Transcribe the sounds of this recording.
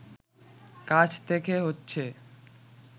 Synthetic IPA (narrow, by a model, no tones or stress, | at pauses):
kat͡ɕʰt̪ekʰeɦotːɕʰe